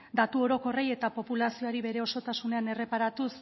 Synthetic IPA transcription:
d̪at̪uo̞ɾo̞ko̞reje̞t̪apo̞pulasio̞aɾiβe̞ɾe̞o̞so̞t̪asune̞ane̞re̞paɾat̪us

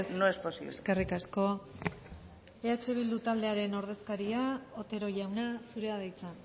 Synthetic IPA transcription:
snoesposḭβleskerikasko̞ | e̞at͡ʃe̞β̞ild̪ut̪ald̪e̞aɾe̞no̞ɾð̞e̞skaɾiaot̪e̞ɾo̞ʝawnasuɾe̞aðejt͡sa

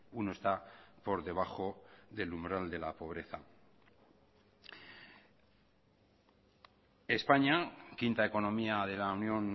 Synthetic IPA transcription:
unoe̞st̪apo̞ɾðe̞β̞axo̞ðe̞lumbɾald̪e̞lapo̞β̞ɾe̞θa̰ | e̞spaɲakint̪ae̞ko̞nõ̞miaðe̞launjo̞n

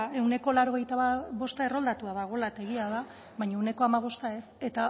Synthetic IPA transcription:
e̞wne̞ko̞laɾo̞ɣ̞e̞jt̪aβaβo̞st̪ae̞ro̞ld̪at̪uaðaɣ̞o̞laet̪aeɣ̞iaða | βajɲaewne̞ko̞amaβ̞o̞st̪ae̞se̞t̪a

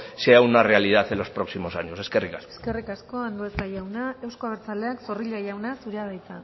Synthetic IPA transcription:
seawnare̞aliðaθelo̞spɾo̞ksimo̞saɲose̞skerikaskeskerikasko̞and̪oet͡sajawnae̞wsko̞aβeɾt͡sale̞akso̞riʎaʝawnasuɾeaðajt͡sa

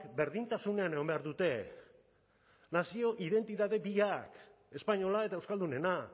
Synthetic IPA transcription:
kbe̞ɾðint̪asune̞aneɣo̞mbe̞aɾðut̪e̞ | nasio̞ʔiðe̞nt̪it̪aðe̞biak | e̞spaɲo̞lae̞t̪aewskald̪une̞na

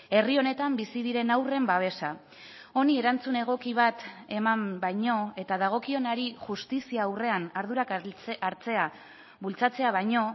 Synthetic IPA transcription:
e̞rio̞ne̞t̪ambisiðiɾe̞nawre̞mbaβ̞e̞sa | o̞nie̞ɾant͡sune̞ɣ̞o̞kiβ̞at̪e̞mambajɲo̞e̞t̪aðaɣ̞o̞kio̞naɾixʝust̪isiaːwre̞anaɾðuɾakaɾt͡se̞a | βult͡sat͡se̞aβ̞ajɲo̞

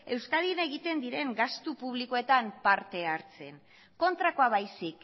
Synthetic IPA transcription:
e̞wskað̞ine̞ɣit̪e̞nd̪iɾe̞ŋɡast̪upuβ̞liko̞e̞t̪ampaɾt̪e̞aɾt͡se̞̰n | ko̞nt̪ɾakoaβajsik

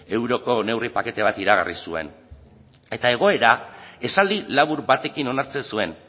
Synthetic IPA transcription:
e̞wɾo̞ko̞ne̞wripake̞t̪e̞βat̪iɾaɣa̰risue̞̰n | e̞t̪ae̞ɣ̞o̞e̞ɾae̞sald̪ilaβuɾbat̪e̞kino̞naɾt͡se̞nsue̞n

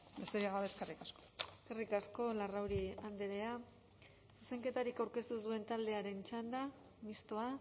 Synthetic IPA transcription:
mest̪eɾiaɣaβeskerikasko̥eskerikasko̞larawɾiand̪eɾea | suse̞ŋke̞t̪aɾikawɾke̞st̪usue̞nt̪ald̪e̞aɾe̞nt͡ʃand̪a | mist̪oa

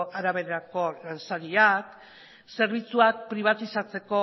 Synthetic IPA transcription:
ʔaɾaβe̞ðeɾako̞lansaɾiak | se̞ɾβ̞it͡suak̚pɾiβ̞at̪isat͡se̞ko̞

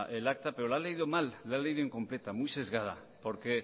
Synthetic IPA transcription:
ʔelak̚t̪ape̞ɾolaleiðomalːaleiðoeŋkõ̞mplet̪amujse̞zɣ̞að̞a | poɾke

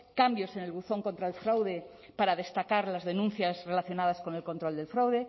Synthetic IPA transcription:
kambjo̞sene̞lɣuθo̞ŋkont̪ɾaelfɾawðe | paɾaðe̞st̪akaɾlazðe̞nũn̟θjazre̞laθjonað̞asko̞nelko̞nt̪ɾold̪e̞lfɾawðe

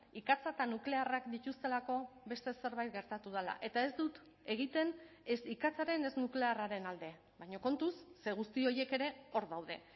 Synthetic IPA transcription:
ikat͡sat̪anukle̞arakd̪it̪ust̪e̞lako̞βe̞st̪e̞se̞ɾβajt̪̚ɡe̞ɾt̪at̪uð̞ala̰ʔe̞t̪ae̞zd̪ut̪ | e̞ɣ̞it̪e̞ne̞sikat͡saɾe̞ne̞znukle̞araɾe̞nald̪e̞ | βajɲo̞ko̞nt̪usːeɣ̞ust̪io̞je̞ke̞ɾe̞o̞ɾðawðe̞̰

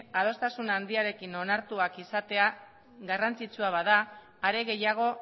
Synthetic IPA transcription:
að̞o̞st̪asunand̪iaɾe̞kino̞naɾt̪uakisat̪e̞a | ɣarant͡sit͡suaβaðaː | ɾe̞ɣe̞jaɣ̞o̞

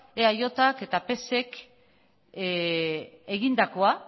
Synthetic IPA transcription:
eajo̞t̪ake̞t̪ape̞se̞k | e̞ɣind̪ako̞a

